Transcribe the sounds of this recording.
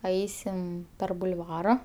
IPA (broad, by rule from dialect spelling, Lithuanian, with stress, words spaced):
ˈɐɪsʲɪm pʲɛr bʊlˠˈʋɑːrɐ